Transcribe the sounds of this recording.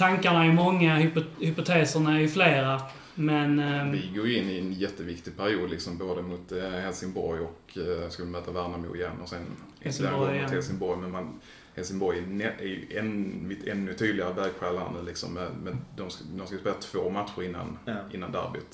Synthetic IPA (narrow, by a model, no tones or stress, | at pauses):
t̪ʰaŋkaɳaɛjmɔŋːahʏhʏpʊt̪ʰeːsəɳaɛɾjɵfleːɾa | mɛnvɪɡoːɾjɵɪnːɪɛnjɛt̪ːəvɪkt̪ɪɡ̚pʰæɾɪuːd̪lɪksɔmboːd̪əmʊt̪hɛlsɪŋbɔɾjɔk | skavɪɪmœːt̪avæːɳamṵɪjɛ̰nːɔsɛn | d̪æɡɔhɛlsɪŋbɔɾjmɛnman | hɛlsɪŋbɔjɛnɛæj̰ʔɛnmɪt̪ʰɛnːɵt̪ʰyːd̪lɪɡaɾəvæɾɡɧæːlaə̰nʉ̟ːlɪksɔ̰mːɛmɛnd̪ɔmsd̪ɔmskajspeːlat̪ʰv̥oːmat̪ɧʊɾɪnːa̰nʔɪ̰nːand̪a̰ɾbɪ̰t̪